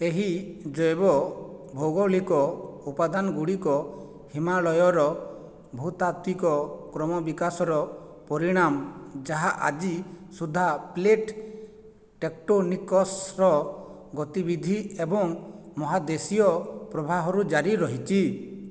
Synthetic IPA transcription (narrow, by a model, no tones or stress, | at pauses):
eɦid͡ʒɔjbɔbʱɔwɡɔlikɔupad̪anɔɡuɽikɔ | himaɭɔjɔɾɔ | bʱut̪at̪wikɔkɾɔmɔbikasɔɾɔ | pɔɾiɽ̃amd͡ʒaɦaʔa̰d͡ʒisud̪ʱːapleʈ | ʈek̚ʈonikɔsɾɔ | ɡɔt̪ibid̪ʱiebɔŋmɔɦad̪esijɔpɾɔbʱaɦɔɾud͡ʒaɾiɾɔɦit͡ʃʰi